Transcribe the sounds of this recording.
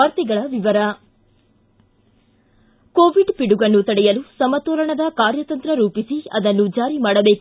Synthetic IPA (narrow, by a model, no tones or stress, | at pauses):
aːɾt̪iɡɐɭɐʋiʋɐɾɐ | koːʋiɖpiɽuɡɐnːut̪ɐɽɛjɐlusɐmɐt̪ɔːɾɐɳɐd̪ɐkaːɾjɐt̪ɐnt̪ɾɐɾuːpisiɐ̰d̪ɐnːud͡ʒaːɾimaːɽɐbe̞ːk